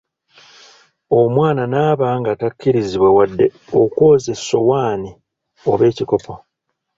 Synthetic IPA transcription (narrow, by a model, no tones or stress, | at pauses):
o̞mwaːnanaːβaːŋɡatakːiɾiziβwe̞wadːe̞oko̞ːze̞so̞waːni | o̞βe̞ːciko̞po